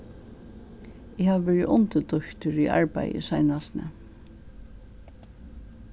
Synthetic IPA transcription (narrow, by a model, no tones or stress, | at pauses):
ɪhaʋʋɛːɹɪʔʊnt̪ət̪ʊçt̪ʏɾiʔa̰ɹpa̰jɪ̰sajnasnə̰